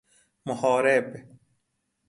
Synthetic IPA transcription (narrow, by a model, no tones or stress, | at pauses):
mʊhɔːɾeb